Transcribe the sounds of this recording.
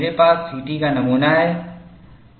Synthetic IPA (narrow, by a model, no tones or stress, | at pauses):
ɾepaːsːiːʈikanɐmuːnaɦɛː